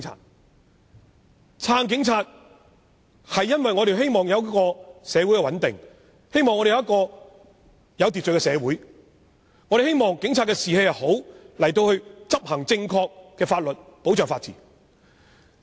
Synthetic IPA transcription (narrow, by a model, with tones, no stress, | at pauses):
t͡sʰa̰ː˧t̚ | t͡sʰaː˧ŋk̬ɪ˨˥ŋt͡sʰaː˧t̚ | hɐ˨jːɐ˥nwɐ˨jŋɔː˨˧ɾe˨jɦe˥jmɔː˨ŋjɐ˨˧wkɔː˧sɛː˨˧wu˨˥jkɛ˧wɐ˨˥nt̪ɪ˨ŋ | he˥jmɔː˨ŋːɔ˧ɾe˨jɐ˦˥kɔː˧ | jɐ˨˧wt̪̬i˨t͡ʃɵ˨˩kɛː˧sɛː˨˧wuː˨˥j | ŋɔː˨˧˥ɾe˨˩he˥jmɔː˨ŋkɪ˨˥ŋt͡sʰaː˧t̚kɛː˧siː˨he˨˥jɐ˨ho˨˥wlɐ˨˩jt̪o˧whɵ˧ɥt͡sɐ˥p̚hɐ˨˩ŋt͡sɪ˧ŋkʰɔː˧k̚ːɛː˧faː˧t̚lɵ˨t̚po˨˥wt͡ʃœː˨ŋfaː˧t̚t͡sḭː˨˩